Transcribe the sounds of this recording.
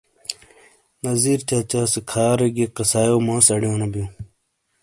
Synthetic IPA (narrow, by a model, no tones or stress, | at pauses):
nɐziːɾt͡ɕaːt͡ɕasekʰaːɾeɡeqɐsaːjoːmãːsɐɽjõːnɐbijũː